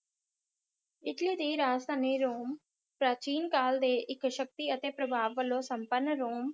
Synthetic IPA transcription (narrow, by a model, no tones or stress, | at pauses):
ɪʈliːd̪iːɾaːst̪ʰaːniːɾoːm | pɾaːt͡ʃiːnkaːld̪eːʔɪkʃək̚t̪iːət̪eːpɾəbʱaːʋːəlːõːsəmpəɾnːɾoːm